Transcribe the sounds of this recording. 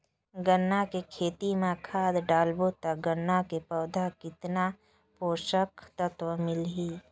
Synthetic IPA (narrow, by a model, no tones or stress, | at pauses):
ɡənːakekʰeːt̪imekʰaːd̪ɖaːlbot̪əɡənːakepəʊd̪ʱakɪt̪na | poːʃəkʰt̪ət̪wəmɪlɦi